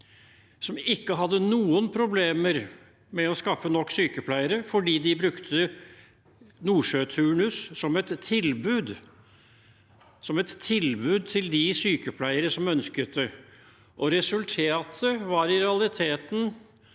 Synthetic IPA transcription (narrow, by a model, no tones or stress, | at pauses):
sɔmɪkːəɦɑd̪ːənuːənpʰɾʊbleːməɾ | mɛɔskɑfːənɔkːsyːkəpʰlæɪəɾəfɔɖiːd̪ɪbɾʉkt̪ʰə | nuːʂøːt̪ʰʉːɳʉssɔmɛt̪ʰːɪlbʉːd̪ | sɔmɛt̪ʰːɪlbʉːd̪̚t̪ʰɪld̪ɪsyːkəpʰlæɪəɾəsɔmœnskət̪d̪ə | ʔɔɾɛsʉlt̪ʰeːɑt̪ʰəʋɑɾɪɾɛɑlɪt̪ʰeːt̪n̩